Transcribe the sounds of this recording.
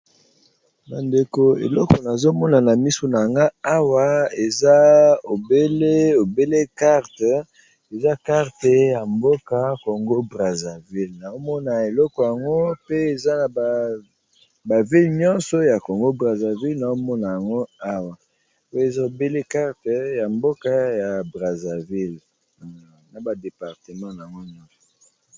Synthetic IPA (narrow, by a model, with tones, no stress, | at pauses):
ba˨nde˨ko˦ḛ˨lɔ˦kɔ˨na˨zo˦mɔ˦na˨na˨mi˦so˨na˨a˨ŋɡa˦a˦wa˨e˨za˦o˨be˦le˦o˨be˦le˦ka˦ʁt | e˨za˦ka˦ʁte˨ja˨mbo˦ka˦ko˨ŋɡo˦bʁa˨za˨vi˦lna˨o˦mɔ˦na˨e˨lɔ˦kɔ˨ja˨ŋɡo˦pe˦e˨za˦na˨ba˨ | ba˨vi˦lɲɔ̃˦nsɔ˨ja˨ko˨ŋɡo˦bʁa˨za˨vi˦lna˨o˦mɔ˦na˨ja˨ŋɡo˦a˦wa˨˦ | e˨za˦o˨be˦le˦ka˦ʁtɛ˨ja˨mbo˦ka˦ja˨bʁa˨za˨vi˦l | na˨ba˨de˨pa˨ʁte˨mã˦n˨a˨ŋɡo˦ɲɔ̃˦nsɔ̥˨